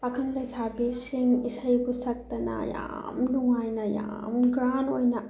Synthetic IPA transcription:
pakʰɐnlɐsabesiŋisajbusɐk̚t̪ɐna̰ja̰ | mnuŋajnaja̰mɡɾanojna

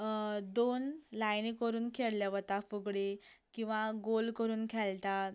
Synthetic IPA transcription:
d̪onlajnikəɾuːnkʰeɽljaʋət̪afuɡɽe | kĩw̃ʋaɡolkəɾuːnkʰɛlt̪a

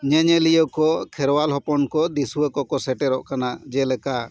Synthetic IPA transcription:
ɲɛɲɛlijɔkɔkʰɛɾwalɦɔpɔnkɔd̪isuəkɔkɔsɛʈɛɾɔʔkanad͡ʒɛlɛka

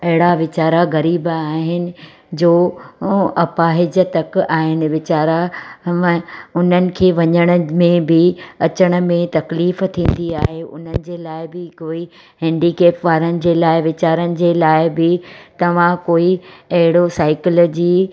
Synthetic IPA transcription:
ɐɦɪɽaʋɪt͡ɕaːɾaɣɐɾiːbaːɦɪnɪ̆ | d͡ʑoː | ɐpaːɦɪd͡ʑət̪ɐkaːɦɪnɪ̆ʋɪt͡ɕaːɾã | ʊn̤ənɪ̆kʰeːʋɐɲəɽ̃əmẽbɪɐt͡ɕəɽ̃̆mẽt̪ɐkliːft̪ʰĩːn̆d̪iaːɦeʔʊn̤ənɪ̆d͡ʑeːlaːɪbɪkoːi | hɛ̃ːɳɖikeːpʋaːɾənɪ̆d͡ʑeːlaːɪʋɪt͡ɕaːɾənɪ̆d͡ʑeːlaːɪbɪt̪ɐʋ̤ãkoːiɐɦɪɽosaːɪkɪlːd͡ʑiː

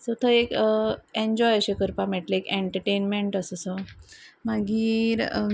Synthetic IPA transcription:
sət̪ʰəekeɲd͡ʑɔjəɕekəɾpamɛʈleekeɳʈəɾʈenmeɳʈəsəsəmaɡiːɾ

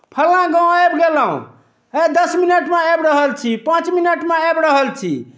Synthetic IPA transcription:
pʰəlãɡãebɡelaṵ̃ | ed̪əsminəʈmẽɛbɾəɦəlt͡ʃʰipãt͡ʃminəʈmeɛbɾəɦəlt͡ʃʰḭ

